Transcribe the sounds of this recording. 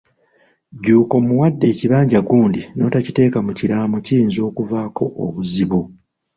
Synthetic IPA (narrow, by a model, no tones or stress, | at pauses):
ɟuːko̞muwadːe̞ːciβaːɲɟaɡuːndino̞ːtacite̞ːkamuciɾaːmuciɾiːnzo̞ːkuvaːkʰo̞ʔo̰βuziβu